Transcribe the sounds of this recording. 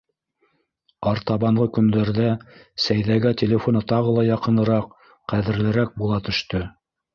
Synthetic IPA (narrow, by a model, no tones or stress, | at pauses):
ɑɾt̪ɑβɑɴʁɤkɵ̆nd̪æɾðæsæjðæɡæt̪ʲelʲefo̞nɤt̪ɑʁɤ̆lˠɑjɑqɤ̆nɤ̆ɾɑq | qːæðɘ̆ɾlɘ̆ɾæk̚bulˠɑt̪ɵ̆ʃt̪ɵ